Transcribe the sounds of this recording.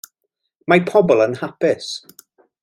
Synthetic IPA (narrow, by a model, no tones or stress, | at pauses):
mapʰɔbɔlˠənhapɪs